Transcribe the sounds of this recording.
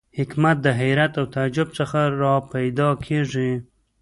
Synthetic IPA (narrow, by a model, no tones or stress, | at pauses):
hɪkmat̪̚d̪əɦajɾat̪awt̪ad͡ʒʊb̚t͡səxaɾɑpajd̪ɑkʰeʐi